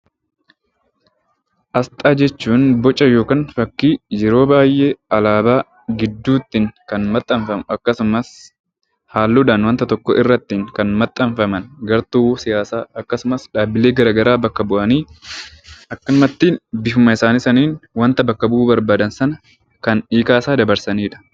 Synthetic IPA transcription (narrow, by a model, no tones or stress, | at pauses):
ʔɐst̪ʼaːd͡ʒɛt͡ʃːuːnbɔt͡ʃʼːɐjo̞ːkaːnfɐkːiːjɛɾo̞ːbaːjʔe̞ːɐlaːbaː | ɡɪd̪ːuːt̪ːɪŋkɐnmɐt̪ʼːɐɱfɐmʔɐkːɐsʊmɐs | haːlːuːᶑ̪aːnwɐnt̪ɐt̪ɔkːɔʔɪrːɐt̪ːiːŋkɐnmɐt̪ʼːɐɱfɐmɐnɡɐɾt̪uːwsɪjaːsaːɐkːɐsʊmɐsᶑaːbɪle̞ːɡɐɾaːɡɐɾaːbɐkːɐbʊʔɐniː | ʔɐkːɐmɐt̪ːiːnbɪfʊmɐɪsaːnisɐniːnwɐnt̪ɐbɐkːɐbʊuːbɐɾbaːd̪ɐnsɐnɐ | kɐniːkaːsaːd̪ɐbɐɾsɐniːᶑɐ̥